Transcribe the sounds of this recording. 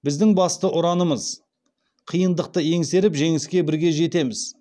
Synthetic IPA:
bɪzd̪ɪŋbɑst̪əʔʊɾɑnəməz | qʰijənd̪əq̚t̪əje̞ŋse̞ɾɪpʒe̞ŋɪskʲe̞bɪɾɡʲe̞ʒe̞t̪e̞mɪz̥

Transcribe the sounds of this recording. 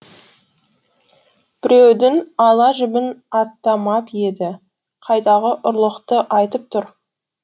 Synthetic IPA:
b̥ɪɾewd̪ɪnɑlˠɑʒɪbɪnɑt̪ːɑmɑpje̞d̪ɪ | qʰɑjt̪ɑʁəʔʊɾlˠəqt̪əʔɑjt̪əp̚t̪ʰʊɾ

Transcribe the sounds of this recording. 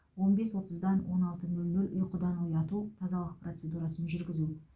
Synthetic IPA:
wo̞nbe̞swo̞t̪əzd̪ɑnwo̞nɑlˠt̪ənɵlnɵlʲʔʊ̰jqəd̪ɑnojɑt̪ut̪ʰɑzɑlˠəq̚pro̞t̪se̞d̪uɾɑsənʒʏɾɡʲɪzu

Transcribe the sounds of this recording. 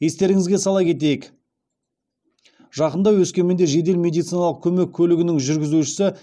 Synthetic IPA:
je̞st̪e̞ɾɪŋɪzɡʲe̞sɑlˠɑkʲʰe̞t̪̬e̞jɪk | ʒɑqənd̪ɑwɵskʲe̞nmend̪eʒe̞d̪e̞lmʲe̞d̪it̪sijnɑlˠəq̚kʲʰɵme̞kʲʰːɵlɪɡʲɪnɪŋʒʏɾɡʲɪzuʃɪ̥sɪ

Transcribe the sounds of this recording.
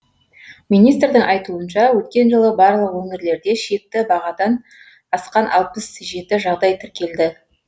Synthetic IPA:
minijst̪rd̪ɪŋʔɑjt̪uənʃɑwɵt̪̚kʲe̞nʒəlˠəbɑɾlˠəqwɵŋeɾle̞ɾd̪e̞ʃe̞k̚t̪ɪbɑʁɑd̪ɑn | ɑsqɑnʔɑ̰lˠpəsʒe̞t̪ɪʒɑʁd̪ɑjt̪ʰɪɾkʲe̞ld̪ɪ

